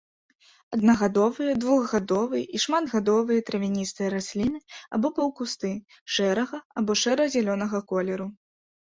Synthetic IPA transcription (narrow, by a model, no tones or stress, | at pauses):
ɐd̪nɐɣad̪ɔvɨjɐd̪vuɣɣad̪ɔvɨjʔiʂmad̪ɣad̪ɔvɨjɐt̪ɾɐvʲinʲist̪ɨjɐɾasʲlʲinɨa̰bɔpɐwkust̪ɨ | ʂɛɾɐɣɐabɔʂɛɾɐɣzʲɛlʲɔnɐɣɐkɔlʲɛɾu